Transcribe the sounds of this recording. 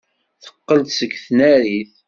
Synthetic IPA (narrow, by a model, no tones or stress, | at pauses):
θə̥qːəlt̪səɡθnæɾiθ